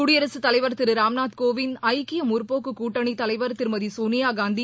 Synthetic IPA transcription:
ʊɽɪjɐɾɐsɯt̪ɐlɐɪʋɐɾt̪ɪɾɯɾaːmnaːt̪koːʋɪnɐɪkːɪjɐmʊɾpoːkːɯkuːʈːɐɳit̪ɐlɐɪʋɐɾt̪ɪɾmɐðisoːnɪjaːɡaːnd̪i

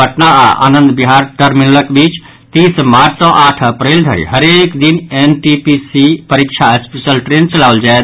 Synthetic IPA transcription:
bʱəʈnaaa̰nənd̪biɦaɾʈəɾmilləkbit͡ʃ | t̪ismaɾsə̃ʔaʈʰəpɾeld̪ʱə̰ɾḭɦəɾekd̪inenʈipisipəɾikt͡ʃʰaəspisəlʈɾent͡ʃəlawld͡ʒaet̪

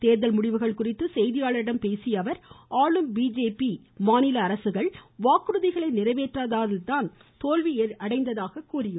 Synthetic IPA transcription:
t̪eːɾðɐlmʊɽɪʋɯɣɐɭkʊrɪt̪ːɯsɛjðɪjaːɭɐɾɪɽɐmpeːsɪjɐʋɐɾʔaːɭɯmbiːd͡ʒeːpi | maːnɪlɐːɾɐsɯɣɐɭʋaːkɯɾɯðɪɣɐɭɐɪnɪrɐɪʋeːʈraːðaːðɪlt̪aːn | t̪oːlʋiʔɐɽɐɪnd̪ɐðaːɣɐkːuːrɪjɯm

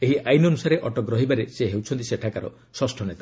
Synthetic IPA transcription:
eɦiʔajnɔnusaɾeʔɔʈɔkɾɔɦibaɾeseɦewt͡ʃʰɔnt̪iseʈʰakaɾɔ̰ | sɔsʈʰɔnet̪ḁ

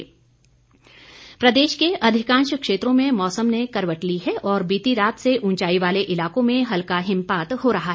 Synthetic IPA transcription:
pɾɐd̪eːʃkeʔɐd̪ʱɪkãːnʃkʃeːt̪ɾõmẽmɔːsəmnekɐɾʋəʈliɦɛʔɔːɾbiːt̪iɾaːt̪seʔʊ̃nt͡ʃaːiʋaːleʔɪlaːkõmẽɦɐlkaɦɪ̃mpaːt̪hoɾɐɦaɦɛ

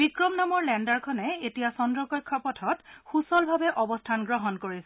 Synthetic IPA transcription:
bikɹɔmnamɔɹlɛndaɹkʰɔnɛetijasɔndɹɔkɔjkʰːɔpɔtʰɔtxusɔlbʱabɛʔɔbɔstʰanɡɹɔɦɔnkoɹisɛ

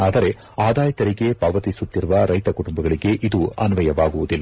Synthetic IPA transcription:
aːd̪ɐɾe̞ | aːd̪aːjɐt̪ɐɾiɡe̞pɐʋɐt̪isut̪ːiɾuʋɐɾɐjt̪ɐkuʈumbɐɡɐɭiɡe̞ʔid̪uɐnʋɐjɐʋaːɡuʋud̪ilːa

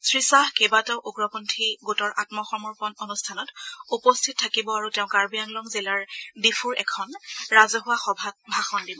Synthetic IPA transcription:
sɹisaɦkebatɛʊʔuɡɹɔpɔntʰiɡutɔɹʔatmɔxɔmuɹpɔnonustʰanɔtupɔstʰit̚tʰːakibɔaɹuteʊ̃kaɹbijaŋlɔŋzilaɹdipʰuɹɛ̰kʰɔnɹazɔɦʊwaxɔbʱabʱaxɔndibɔ

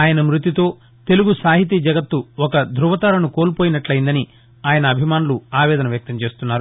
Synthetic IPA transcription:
aːjɐnɐmɾut̪it̪o̞ː | t̪e̞luɡusaːɦit̪̬id͡ʒɐɡɐt̪ːuɔkɐd̪ʱɾuʋɐt̪aːlɐnukoːlpoːjinɐʈlɐjind̪ɐni | aːjɐnɐːbʱimaːnuluaːʋɛːd̪ɐnɐʋjɐk̚t̪ɐmt͡ʃe̞ːst̪unːaːɾu

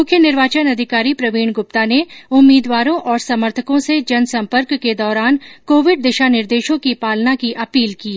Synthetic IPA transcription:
mʊkʰːjənɪɾʋaːt͡ʃənɐd̪ʱɪkaːɾipɾɐʋiːɳ̃ɡʊp̚t̪aneʊmːiːd̪waːɾõʔɔːɾsɐməɾt̪ʰəkõsed͡ʒɐnsɐ̃mpəɾkːed̪ɔːɾaːnkoːʋɪɖd̪ɪʃanɪɾd̪eːʃõkipaːlnakiʔɐpiːlkiː

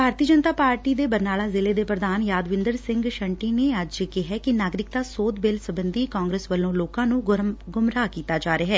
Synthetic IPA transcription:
bʱaːɾt̪iəd͡ʒənət̪aːpaːɾʈiːd̪eːbəɾnaːlaːzɪleːd̪eːpɾəd̪aːnjaːd̪ʋɪ̃nd̪əɾsɪ̃ŋɡʃəɳʈiːneːəd͡ʒkɪɦɛːkɪnaːɡɾɪkt̪aːsoːt̪beːlsəbənd̪iːkãːŋɡɾeːsʋəlːõːloːkãːnũːɡʊmɾaːkiːt̪aːd͡ʒaːɾeaːɦɛː

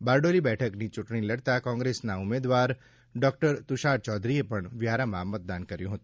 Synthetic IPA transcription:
baːɾɖolibɛʈʰəknit͡ʃʊʈɳiləɽt̪akɔ̃ŋɡɾesnaʊmed̪ʋaɾ | ɖɔːk̚ʈəɾt̪ʊʃaːɾt͡ʃɔːd̪ɾiepəɳʋjaɾamãmət̪̚d̪ankəɾjũɦət̪ũ

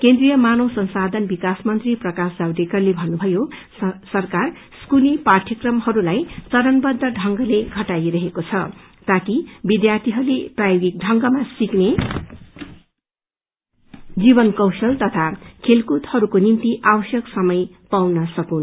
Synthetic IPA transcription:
kend̪rijʌmanosʌnsad̪ʱʌnbikasmʌnt̪riprʌkasd͡zawɖekʌrlebʱʌnːubʱʌjo | sʌrkar | skuliparʈ̪ʰjʌkrʌmhʌɾulajt͡sʌɾʌnbʌd̪ːʌɖʱʌŋɡʌleɡʱʌʈajɾʌɦekot͡sʰʌ | t̪akibid̪jart̪ʰiɦʌɾuleprajoɡik̚ɖʱʌŋɡʌmasikne | d͡zibʌnkʌwsʌlt̪ʌt̪ʰakʰelkut̪hʌɾukonint̪iʔabʌsjʌksʌmʌj | pawnʌsʌkun

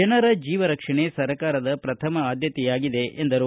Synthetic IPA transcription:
ɛnɐɾɐd͡ʒiːʋɐɾɐkʂɐɳesɐɾɐkaːɾɐd̪ɐpɾɐt̪ʰɐmɐaːd̪ʱjɐt̪ɛjaːɡid̪e̞ʔend̪ɐɾu

